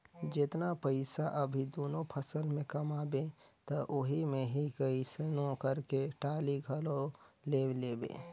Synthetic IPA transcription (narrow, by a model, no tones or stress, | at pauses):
d͡ʒɪt̪napəɪsaʔəbʱid̪oːnopʰəsəlmẽkɐmaːbet̪ɔʔʊɦimẽɦikəiseːnõkəɾkeʈaːliɡʱəlõleːwleːbḛ̃ː